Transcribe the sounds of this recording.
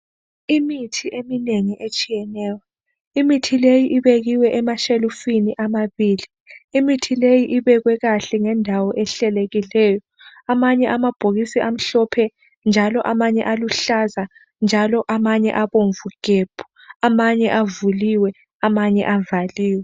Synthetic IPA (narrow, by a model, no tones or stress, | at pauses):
imitʰiʔemineŋiʔet͡ʃʼijɛnɛːwa | imitʰilejiʔiβeɣiwɛʔɛmaʃelufiniʔamaβiːli | imitʰilejiʔiβɛɣwɛɣaɬɛŋɛndʱawɔʔɛɬɛleɣilɛːjɔ | amaɲɛʔamab̥ʱoɣisiʔam̩ɬɔpʰɛ | nd͡ʒʱalɔʔamaɲɛ̰ʔaluɬaza | nd͡ʒʱalɔʔamaɲɛ̰ʔaβoɱvuɡ̥ʱeb̥ʰʱu̥ | amaɲɛʔavuliwɛ | amaɲɛ̰ʔavaliːwɛ